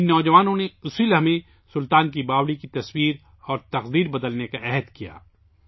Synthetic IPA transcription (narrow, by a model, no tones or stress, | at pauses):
ɪnːɔːd͡ʒɐʋaːnõneʊsilɦmẽ | sʊlt̪aːnkibaːwɽikit̪ɐswiːɾ | ɔːɾt̪ɐqd̪iːɾbɐd̪əlnekaʔɛɦɛd̪kija̰ː